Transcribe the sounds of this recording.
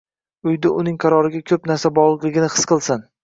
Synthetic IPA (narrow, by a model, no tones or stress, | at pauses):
ʊjd̪ʊʔʊnɪŋqʰɑɾɒɾɪɡʲakʲʰɵpnaɾsabɒʁlˠɨqlˠɪɡʲɪnɪhɨ̥sqɨlˠsan